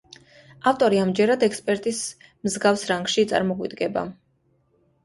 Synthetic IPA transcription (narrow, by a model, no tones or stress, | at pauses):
aft̪ʼɔɾiamd͡ʒɛɾad̪ɛkʰspʼɛɾt̪ʼis | mzɡafsɾaŋɡʃit̪sʼa̰ɾmɔʁʼwḭd̪ɡɛba̰